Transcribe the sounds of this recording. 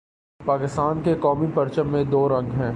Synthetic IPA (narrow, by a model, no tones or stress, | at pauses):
paːkɪst̪aːnkekɔːmipɐɾt͡ʃəmːẽd̪oːɾɐ̃ŋɡɦɛ̃ː